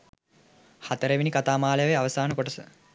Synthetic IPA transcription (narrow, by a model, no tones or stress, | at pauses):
hat̪əɾeʋinikat̪aːmaːləjəʋejaʋɐsaːnəkoʈəsə